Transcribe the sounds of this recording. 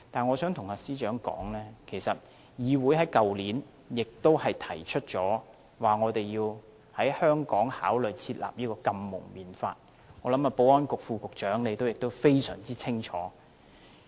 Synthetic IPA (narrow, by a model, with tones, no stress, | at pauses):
t̪aː˨nŋɔː˨˧sœː˨˥ŋt̪ʰʊ˨˩ŋaː˧siː˥t͡ʃœː˨˥ŋkɔ̰ː˨˥ŋlɛː˥kʰe˨˩jsɐ˨t̚ | jiː˨˧wuː˨˥jhɐ˨˥jkɐ˨wliː˨˥n | jɪ˨k̚t̪o˥whɐ˨jt̪ʰɐ˨˩jt͡ʃʰɵ˥t̚t͡ʃɔː˨˥ | waː˨˩ŋɔː˨˧t̪e˨jjiː˧w | hɐ˨˥jhœː˥ŋkɔː˨˥ŋhaː˨˥wlɵ˨jt͡sʰiː˧t̚la̰ː˨p̚jiː˥kɔː˧kɐ˧mːʊ̰˨˩ŋmiː˨nfa̰ː˧t̚ | ŋɔː˨˧lɐ˨˥maː˧po˧˥wɔː˥nkʊ˨k̚fuː˨˧kʊ˨k̚t͡ʃœː˨˥ŋle˨˧jt̪o˥wjɪ˨k̚t̪o˥wfe˥jsœ̰ː˨˩ŋt͡siː˥t͡sʰɪ˥ŋt͡ʃʰɔ̰ː˨˥